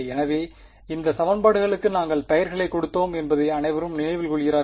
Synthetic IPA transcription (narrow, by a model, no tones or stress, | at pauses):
ɛnɐʋeː | ɪnd̪ɐsɐmɐnbaːɽɯɣɐɭɯkːɯnaːŋɡɐɭp̪ɐjɐɾɣɐɭɐɪkːɔɽɯt̪ːoːmɛnbɐðɐɪɐnɐɪʋɐɾɯmnɪnɐɪʋɪlkɔɭɪɣɪɾaː